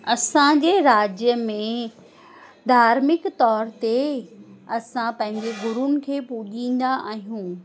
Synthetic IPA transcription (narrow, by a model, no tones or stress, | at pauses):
ɐsãd͡ʑeːɾaːd͡ʑjəmẽ | d̪ʱaːɾmɪkt̪ɔːɾt̪e | ɐsãpɐ̃ɦɪ̃ɲd͡ʑeɡʱʊɾʊnɪ̆kʰeːpuːʄĩːn̆d̪aʔaːɦijũː